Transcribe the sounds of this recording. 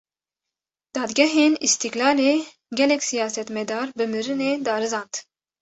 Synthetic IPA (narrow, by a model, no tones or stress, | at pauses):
d̪̥ɑːd̪ɡʲɛɦeːnist̪iklɑːleː | ɡʲɛlɛkʲsijɑːsɛt̪mɛd̪ɑːɾbɨmɨɾɨneːd̪ɑːɾɨzɑːnt̪